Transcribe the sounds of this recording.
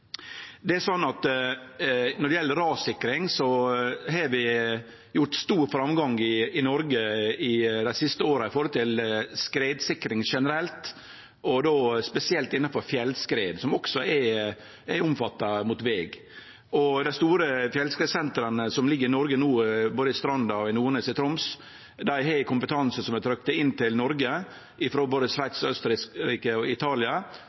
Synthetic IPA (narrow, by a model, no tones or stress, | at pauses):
d̪ɛæsɔnːɑt̪ | nɔɖ̪ɛjɛlːəɾɑːsɪkːɾɪŋsɔɦɑʋɪ | jʊʈst̪uːɾfɾɑmɡɑŋɪɪnɔɾɡəɪd̪æɪsɪst̪əoːɾɑɪfɔːɾɔlt̪ʰɪlskɾeːd̪sɪkːɾɪŋʂɛnəɾɛlt̪ | ɔd̪oːspɛsɪɛlt̪ɪnːɑfɔɾfjɛlskɾeːd̪sɔmɔksɔæ | æɾʊmfɑt̪ːɑmʊt̪ʋeːɡ | ɔd̪æɪst̪uːɾəfjɛlskɾeːd̪sɛnt̪ɾɑnəsɔmlɪɡːəɾɪnɔɾɡənuːboːd̪əɪst̪ɾɑnd̪ɑɔɪnuːɾɳeːsɪt̪ʰɾʊms | d̪æɪhæɪkʰʊmpət̪ʰɑnsəsɔmɛt̪ʰɾœk̚t̪əɪnt̪ɪlnɔɾɡə | ʔɪfɾoːboːd̪əʂʋæɪt̪sɔœst̪əɾɪskɾiːkəɔɪt̪ʰɑːlɪɑ